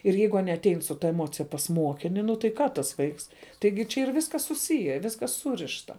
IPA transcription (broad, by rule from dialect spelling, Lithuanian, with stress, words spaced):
ɪr ˈjɛɪɡʊ ˈɑːnʲiɛ ɐtʲˈɛɪn sʊ ˈtɐ ɛˈmoːt͡sʲɪjɛ pɐs ˈmuɔkʲɪnʲɪ nʊ tɐɪ ˈkɑː tɐs ˈʋɐɪks ˈtɐɪɡʲɪ t͡ʃʲɛ iːr ˈʋʲɪskɐs sʊˈsʲɪjɛ ˈʋʲɪskɐs ˈsuːrʲɪʃtɐ